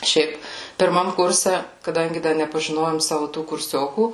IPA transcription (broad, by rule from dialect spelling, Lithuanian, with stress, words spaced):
ˈʃʲɛɪp pʲɪrˈmɐm ˈkʊrʲsʲɛ kɐˈdɐŋʲɡʲɪ ˈdɐ nʲɛpɐʒʲɪˈnoːjoːm ˈsɑːʋʊ tuː kʊrʲˈsʲoːkuː